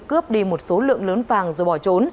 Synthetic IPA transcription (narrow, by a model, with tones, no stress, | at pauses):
kɨ˦˥əp̚ɗi˧mo˨˩t̚so˨˦lɨ̰˧˨əŋləː˨˦nfaː˨˩ŋzo˧˩ɓɔ˧˩t͡ɕo˨˦n